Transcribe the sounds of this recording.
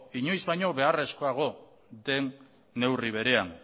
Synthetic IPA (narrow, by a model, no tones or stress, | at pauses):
iɲo̞jzβajɲo̞βe̞are̞sko̞aɣ̞o̞ | d̪e̞nː | e̞wriβ̞e̞ɾe̞an